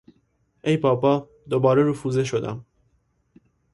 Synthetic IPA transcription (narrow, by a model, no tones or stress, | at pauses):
ʔejpʰɒːpɒː | d̪obɒːɾeɾufuːzeʃo̞d̪æ̰m